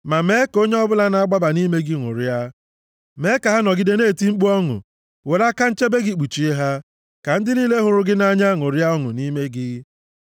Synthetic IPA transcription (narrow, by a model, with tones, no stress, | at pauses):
ma˨me˦ko˦ɲe˦ɔ˦bʊ˦la˦na˨a˦ɡ͡ba˦ba˨ni˦me˦ɡɪ˦ŋʷʊ̰˨ɾja˦ | me˨˦ka˨ɦa˦nɔ˨ɡɪ˦de˦ne˦˨ti˦ŋ͡m̩˦k͡pu˦ɔ˦ŋʊ̰˨ | we˨la˦ka˦n̩˦t͡ʃe˦be˦ɡɪ˦k͡pu˨t͡ʃi˨e˦ɦa˦ | ka˨n̩˦dɪ˦niː˦le˦ɦʊ˨ɾʊ˦ɡɪ˦na˦ɲa˦ŋo˨ɾja˦ɔ˦ŋʊ̰˨ni˦me˦ɡɪ˦